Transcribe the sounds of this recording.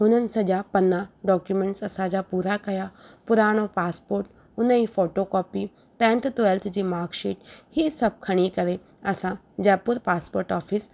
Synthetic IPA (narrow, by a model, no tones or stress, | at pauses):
ɦʊnənsəd͡ʒaːpənːãːɖɔːkjumɛ̃ɳʈsɐsãːd͡ʒaːpuːɾakɐjaːpʊɾaːɽ̃oːpaːspoːɾʈ | ʊnə̃ipʰoːʈoːkɔːpiː | t̪ɛ̃ːnt̪t̪ʊɛlt̪ʰd͡ʒiːmaːɾkʃeːʈhiːsəb̚kʰəɽ̃iːkəɾeː | əsãː | d͡ʒɛːpʊɾpaːspoːɾʈɔːpʰɪs